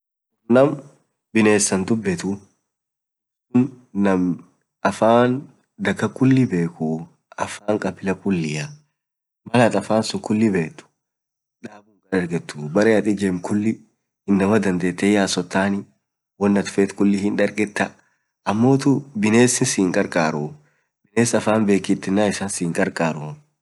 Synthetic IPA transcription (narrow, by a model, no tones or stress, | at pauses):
ʊnɐm | bɪne̞ːsːɐnd̪ʊbːɛt̪ʊ | kʊnː | ɐm | ɐfaːn | d̪ɐkːɐkʊlːɪbe̞ːku | ɐfaːŋkʼɐpːɪlɐkʊlːɪjɐ | mɐlɐt̪ʼɐfaːnsʊkʊlːɪbe̞ːt̪ːʊ̥ | ᶑaːbʊŋkʼɐᶑɐɾɡɛt̪ːuːbɐɾɛɐt̪ʼɪd͡ʒemkʰʊlːɪ | hɪnːɐmɐd̪ɐnd̪e̞ːt̪ːɛjaːsɔt̪ːaːnɪ | wɔnːɐt̪ʊ̥feːt̪kʊlːɪhɪnᶑɐɾɡʼɛt̪ːɐ | ɐmːo̞ːt̪ʊbɪne̞ːsɪnsiːŋkʼɐɾkʼaːɾʊ | b̥ɪneːsɐfaːnbe̞ːkːɪt̪ːɪnːaːɪsaːnsiːŋkʼɐɾkʼaːɾʊ